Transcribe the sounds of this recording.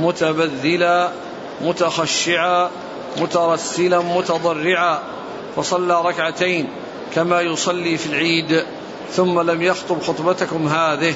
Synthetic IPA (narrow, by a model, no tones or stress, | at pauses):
mʊt̪abaðːɪla | mʊt̪axaʃːɪʕa | mʊt̪ɑɾˤɑsːɪlamʊt̪ɑd̪ˤɑrːɪʕaː | fɑsˤɑlːaːɾˤɑkʕat̪ajn | kamaːjʊsˤɑlːiːfilʕiːd̪ | θʊmːalamjɑxt̪ˤʊbxʊt̪ˤbɑt̪akʊmɦaːðɪh